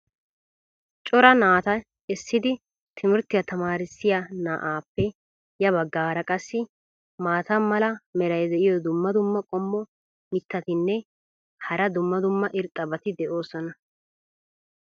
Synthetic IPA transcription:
t͡ʃʼɔɾɐnaːt̪ɐ | ɛsːɪd̪ɪ | t̪ʰɪmɪɾt̪ːɪjɐt̪ɐmaːɾɪsːɪjɐna̰ːʔaːpːɛ | jɐβɐɡːaːɾɐkʼɐsːɪ | maːt̪ɐmːɐlɐmɛɾɐjd̪ɛʔɪjɔd̪ʊmːɐd̪ʊmːɐkʼɔmːɔ | mɪt̪ːɐt̪ɪnːɛ | hɐɾɐd̪ʊmːɐd̪ʊmːɐʔɪɾt̪ʼːɐbɐt̪ɪd̪ɛʔo̞ːsɔnɐ

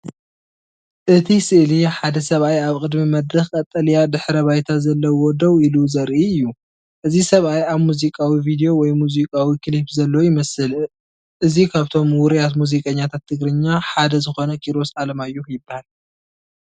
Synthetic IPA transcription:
ʔɨt̪ʰisɨʔliħad̪ɐsɐβʔajaβkʼɨd̪mimɐd̪ɾɐxkʼɐt̪ʼːɐlijad̪ɨħɾɐβajt̪ʰazɐlːɐwɔd̪ɐwiluzɐɾʔiɨjːu | ʔɨzisɐβʔajaβmuzikʼawivid̪ijo̞wɔjmuzikʼawikʰɨlipzɐlːojɪmɐsɨl | ʔɨzikʰaβt̪ʰo̞mwʊɾjat̪muzikʼɐɲːat̪ʰat̪ʰːɨɡɾɨɲːaħad̪ɐzɨxo̞nɐkʼiɾo̞sʕalɐmajːujɪbːahal

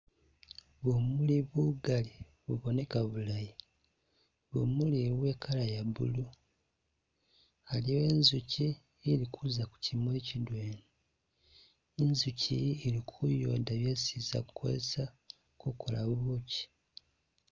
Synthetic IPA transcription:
βomuliβuɡali | βuβo̞ne̞kaβulaji | βo̰muliwe̞ːkʰalajabṵlu | haliwe̞ːnzuci | eɾikuzaku̥cʰimwecidweːne | enzucieɾikʰujo̰ːdaβjaesiːza̰kukʰo̰esa | kukʰola̰βuːci̥

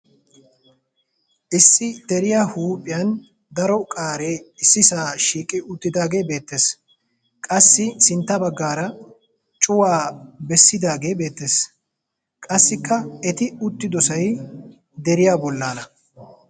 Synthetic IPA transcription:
ʔɪsːɪd̪̥ɛɾɪjahuːpʼːɪjɐn | d̪ɐɾɔkʼaːɾeɪsːɪsaːʃiːkʼɪʔʊt̪ːɪd̪aːɡe̞ːbe̞ːt̪ːe̞ːs | kʼɐsːɪsɪnt̪ːɐbɐɡːaːɾɐ | t͡ʃʼʊwaːbɛsːɪd̪aːɡe̞ːbe̞ːt̪ːe̞ːs | kʼɐsːɪkːɐɛt̪ɪʊt̪ːɪd̪ɔsɐj | d̪ɛɾɪjaːbɔlːaːnɐ

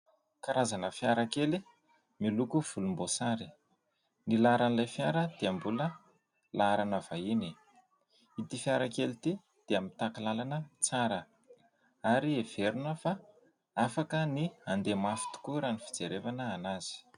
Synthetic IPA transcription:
kaɾazanəfijaɾakeli | milukuv̥ulumbosaɾi̥ | nilaɾanilajfjaɾəd̪̥eambulə | laaɾanəv̥aini | it̪ifjaɾakelit̪i | d̪̥eamit̪akilalanəit͡saɾə | aɾiev̥eɾunəfa | afakəniand̪emafi̥t̪u̥kuɾanifi̥d͡zeɾevanəːnaz̥i̥

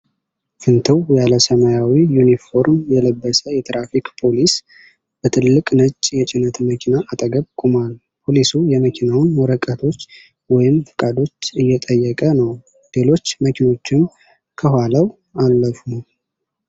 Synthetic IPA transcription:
fɨnt̪ʰɨwjaləsəmajawijunifo̞ɾmjɛləbːəsəjɛt̪ɾafikpʰo̞lis | b̥ət̪ʰɨlːɨkʼnət͡ʃʼːjɛt͡ʃʼɪnət̪məkʰinaʔːt̪ʼəɡəβkʼumal | pʰo̞lisujɛməkʰinawnwɔɾəkʼːət̪ʰo̞t͡ʃː | wɔjɪmfɨkʼad̪o̞t͡ʃːɨjːɛt̪ʼəjːɛkʼənəw | le̞lo̞t͡ʃːməkʰino̞t͡ʃːɪm | kʰəhaləw | alːəfunəw

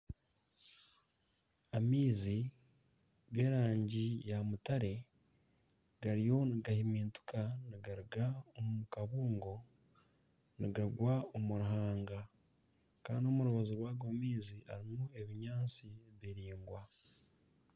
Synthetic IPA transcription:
amiːzi | ɡe̞ːɾaːɲɟijamutaɾe̞ | ɡ̥aɾijo̞niɡahimiːntu̥kaniɡaɾuɡaomumukaβuːŋɡo̞ | niɡaɡwaomuɾuɦaːŋɡa | ka̰ːndio̞muɾuβazoɾwaːɡwamiːziʔa̰ɾimue̞βiɲaːt͡siβiɾiːŋɡwa

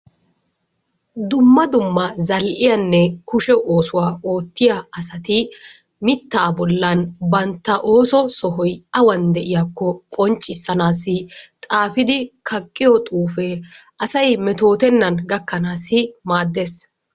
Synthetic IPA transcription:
d̪ʊmːɐd̪ʊmːɐzɐlʔɪjɐnːɛkʊʃɛʔoːsʊwaːoːt̪ːɪjaɐsɐt̪ɪ | mɪt̪ːaːbɔlːɐnbɐnt̪ːɐʔo̞ːsɔsɔɦɔjɐwɐnd̪ɛʔɪjakːɔkʼɔnt͡ʃʼːɪsːɐnaːsɪt̪ʼaːfɪd̪ɪkʰɐkʼːɪjɔt̪ʼuːfeʔɐsɐjmɛt̪o̞ːt̪ɛnːɐnɡɐkːɐnaːsɪmaːd̪ːe̞ːs

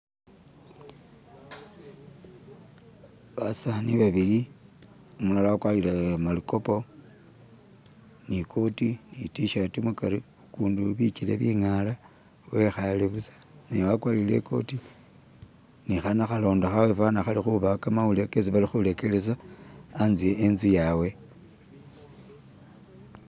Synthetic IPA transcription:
βasaniβaβili | omulalakwalilemaliko̞po | nikʰo̞tinitiʃatimukaɾi | ukuːnduβit͡ʃileβiŋala | we̞xaleβusḁ | newakwaːlile̞̰ko̞̰ti | nixanaxalo̞ːndaxawefanaxalixuβakamaule̞kesiβalixule̞ke̞lesaː | nzijeːnzijawe̞

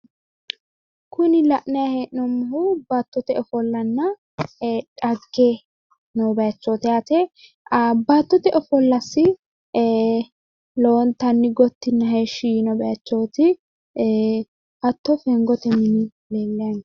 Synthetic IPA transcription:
kʰʊnɪlɐʔnɐjaheːʔnɔmːɐhʊbɐt̪ːɔt̪ɛɔfɔlːɐnːɐ | ᶑɐɡːe | nɔbɐjɐt͡ʃːoːt̪ɪjaːt̪ɛ | ɐbɐt̪ːɔt̪ɛʔɔfɔlːɐsːɪ | lont̪ɐnːɪɡɔt̪ːɪnːɐɦeːʃiːnɔbɐjɐt͡ʃːoːt̪ɪ | hɐt̪ːɔfɛŋɡɔt̪ɛmɪnɪ | leːlːɛjɐn

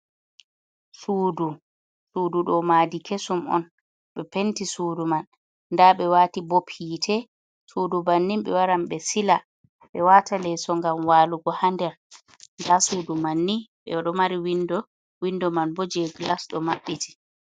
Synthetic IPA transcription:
suːdu | suːduɗɔmadikʰesumɔ̰n | ɓɛpentisuːdumanː | daɓɛwaːtibopitʰɛ | suːdubanːimɓɛwaɾamɓɛsila | ɓɛwaːtʰalɛsɔŋɡamwaːluɡɔhandɛɾ | ndasuːdumanːiɓɛ̰aɗɔmaɾiwindɔ | windɔmanbɔd͡ʒeɡlasɗɔmaɓːiti̥

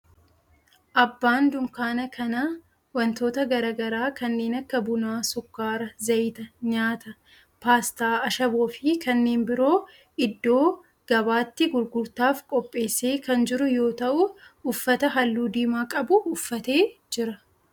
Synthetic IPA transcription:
ʔɐbːaːnd̪ʊŋkaːnɐkʰɐnɐ | wɐnt̪o̞ːt̪ɐɡɐɾaːɡɐɾaːkɐnːe̞ːnɐkːɐbʊnaːsʊkːaːɾɐzɐjt̪ɐɲaːt̪ɐ | paːst̪aːɐʃɐbo̞ːfɪkɐnːeːnbɪɾo̞ː | ʔɪd̪ːo̞ː | ɡ̥ɐbaːt̪ːɪɡʊɾɡʊɾt̪aːfkʼɔpʼːe̞ːsːe̞ːkɐnd͡ʒɪɾʊjo̞ːt̪ɐʔʊʊfːɐt̪ɐɦɐlːuːd̪iːmaːkʼɐbʊːfːɐt̪e̞ːd͡ʒɪɾɐ

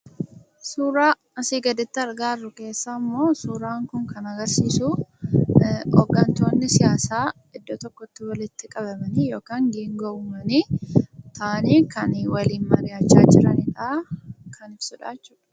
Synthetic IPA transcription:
suːɾaː | ɐsiːɡɐd̪ɪt̪ːɪɐɾɡaːrːʊke̞ːsːamːo̞ːsuːɾaːŋkʊŋkɐnɐɡɐɾsiːsʊ | ɔ̰ɡːɐnt̪o̞ːnːɪsɪjaːsaː | ɪd̪ːot̪ɔkːɔt̪ːɪwɐlɪt̪ːɪkʼɐbɐmɐniːjo̞ːkaːŋɡiːŋɡɔʔʊmɐniːt̪ʰaːniːkɐnwɐliːnmɐɡaːt͡ʃːaːd͡ʒɪɾɐniᶑakʰɐnɪb̥sʊᶑaːt͡ʃːuːᶑɐ̥

